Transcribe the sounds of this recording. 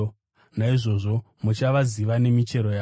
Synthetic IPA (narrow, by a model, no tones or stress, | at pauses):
naiʐo̞ʐo̞ | mut͡ʃaʋaziʋane̞mit͡ʃe̞ɾo̞jaː